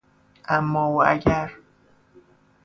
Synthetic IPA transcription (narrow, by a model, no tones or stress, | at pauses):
ʔæmːɒːuːæ̰ɟæɾ